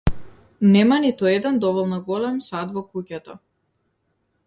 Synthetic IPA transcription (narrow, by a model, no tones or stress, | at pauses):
nɛmanit̪uɛd̪ɛnd̪ɔvɔlˠnɔɡɔlɛmsad̪vɔkucɛt̪ɔ